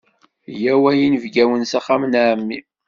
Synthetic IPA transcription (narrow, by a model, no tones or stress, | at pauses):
jæwæjinəvɡæwənsaχːamnaʕmːi